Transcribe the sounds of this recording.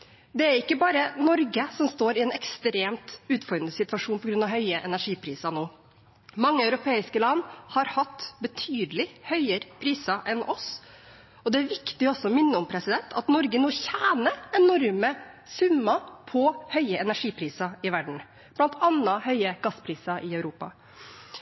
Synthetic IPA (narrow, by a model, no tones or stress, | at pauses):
d̪ɛæɾɪkːəbɑːɾənɔɾɡəsɔmst̪oːɾɪɛːnɛkst̪ɾeːmt̪ʉːt̪fɔɾd̪ɾnəsɪt̪ʋɑʂuːnpʰɔɡɾʉnɑɦœʏəʔɛnæʂiːpʰɾiːsɑnoː | mɑŋːəɑʉɾʊpʰeːɪskəlɑnːhɑɾhɑt̪ːbət̪ʰyːd̪lɪhœʏəɾpʰɾiːsɑʔɛnʔɔs | ɔd̪ɛæɾʋɪkt̪ɪɔsːɔmɪnːəɔmpʰɾɛsɪd̪ɛnt̪ʰɑ̰t̪nɔɾɡənoːçæːnəɛnːɔɾmə | sʉmːɑpʰɔhœʏəɛnæʂiːpʰɾiːsɑɪʋæɖɳ̩ | b̥lɑnt̪ʰɑnɑhœʏəɡɑspʰɾiːsɑʔɪœʉɾuːpɑ̰